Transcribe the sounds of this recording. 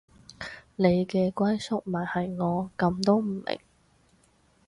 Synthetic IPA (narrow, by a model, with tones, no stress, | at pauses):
ne˨˧jkɛː˧kʷɐ˥jsʊ˥k̚mɐ˨˩nhɐ˨jŋɔː˨˧kɐ˧mt̪o˥wm̩˨˩mɪ̰˨˩ŋ